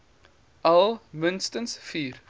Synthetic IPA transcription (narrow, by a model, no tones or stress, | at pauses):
ʔɐlˠmənstənsfiːr